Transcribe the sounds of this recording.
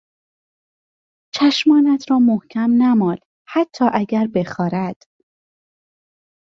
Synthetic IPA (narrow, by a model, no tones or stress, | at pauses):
t͡ʃʰæʃmɒːnæt̪ʰɾɒːmohcʰæmnæmɒːnd̪̥ | hæt̪ʰːɒːʔæɟæɾbe̞xɒːɾæd̪̥